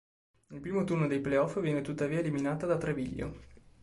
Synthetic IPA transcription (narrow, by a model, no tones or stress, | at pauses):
ilpɾiːmot̪urnod̪ejpleɔfvjɛːnet̪ut̪ːaviːaeliminaːt̪ad̪at̪ɾeviʎːo̰